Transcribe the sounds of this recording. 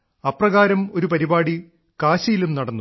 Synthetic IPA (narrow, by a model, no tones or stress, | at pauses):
ɐprɐɣaːɾɐmo̞ɾupɐɾibaːɽi | kaːɕɐjilumnɐɽɐnːu